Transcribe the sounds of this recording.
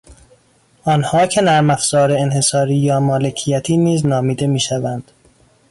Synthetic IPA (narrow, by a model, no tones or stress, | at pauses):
ʔɒːnhɒːcʰe̞næɾmæfz̥ɒːɾeenhe̞sɒːɾiːjɒːmɒːle̞cʰijæt̪ʰiːniːznɒːmiːd̪e̞miːʃævænd̪̥